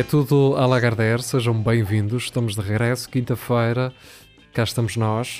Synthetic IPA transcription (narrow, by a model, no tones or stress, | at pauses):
ɛt̪uðualˠaɣaɾðɛɾseʒɐ̃w̃bɐ̃j̃vĩnd̪uʃʃt̪ɐmuʒðɨʁɨɣɾɛsu̥kĩnt̪ɐfɐjɾɐ | kaʃt̪ɐmʊʒnɔʃ